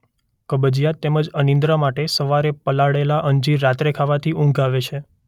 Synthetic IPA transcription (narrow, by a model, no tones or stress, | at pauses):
kəbəd͡ʒijat̪ːeməd͡ʒənĩnd̪ɾamaʈesəʋaɾepəlaɽelaʔəɲd͡ʒiɾːat̪ɾekʰaʋat̪ʰiũŋɡaʋet͡ʃʰe